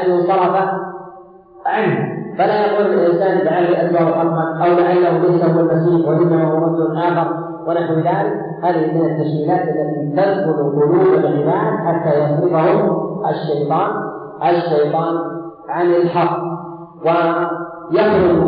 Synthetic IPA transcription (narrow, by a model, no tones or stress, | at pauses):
ʔanːʊsˤɑɾˤɑfa | ʕanhfalaːjaquːlɪɪlʔɪnsaːnlaʕalːaʔad͡ʒlahʊħɑqːanʔawlaʕalːahʊlajsahʊwalmasiːxwaʔɪnːamaːhʊɾˤɑd̪ːʊʔaːxɑɾˤ | wɪnaħwɪðaːlɪk | haːðɪhimɪnat̪ːaʃkiːlaːt̪ʔalːat̪it̪ɑsbʊɾq̪ˤʊluːbalɣɪbaːʔaħat̪ːaːjɑxlɪfahʊʔaʃːajt̪ˤɑːn | ʔaʃːajt̪ˤɑːn | ʕanɪlħɑqː | wɪ | jɑfɾʊ